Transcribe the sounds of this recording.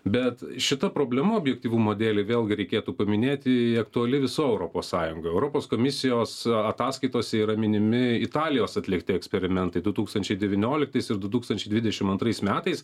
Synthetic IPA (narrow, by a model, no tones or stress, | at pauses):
bʲɛt̪ʃʲɪt̪ɐpɾoːbʲlʲɛmuoːbʲjɛk̚t̪ʲiːʋuːmoːd̪ʲeːlʲeʋʲeːlˠɡʲɪɾʲɛɪkʲeːt̪uːpɐmʲɪnʲeːt̪ʲɪɐkt̪ʊɐlʲɪʋʲɪsoːɛʊɾoːpoːssɑːjʊŋɡojɛʊɾoːpoːskoːmʲɪsʲɪjoːsɐt̪ɑːskɐɪt̪oːsʲɛiːɾɐmʲɪnʲɪmʲɪɪt̪ɑːlʲɪjoːsɐt̪ʲlʲɪkt̪ʲɪɛksʲpʲɛɾʲɪmʲɛnt̪ɐɪd̪ʊt̪uːkst̪ɐnʲt͡ʃʲɛɪd̪ʲɛʋʲɪnʲoːlʲɪk̚t̪ɐɪsɪɾd̪ʊt̪uːkst̪ɐnʲt͡ʃʲɛɪd̪ʲʋʲɪdʲɛʃʲɪmɐnt̪ɾɐɪsmʲæːt̪ɐɪs